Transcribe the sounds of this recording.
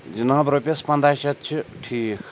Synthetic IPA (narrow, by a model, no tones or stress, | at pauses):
d͡ʑənaŋbɾopʲaspand̪aɕat͡ɕʰəʈ͡ʂʰi